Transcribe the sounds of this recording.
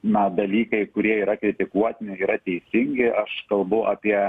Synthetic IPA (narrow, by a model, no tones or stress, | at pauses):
nɐd̪ɐlʲiːkɐɪkʊɾʲiɛiːɾɐkɾʲɪt̪ʲɪkuɔt̪ʲnʲɪiːɾɐt̪ʲɛɪsʲɪŋʲɡʲɪʔɐʃkɐlˠbʊʔɑːpʲiɛ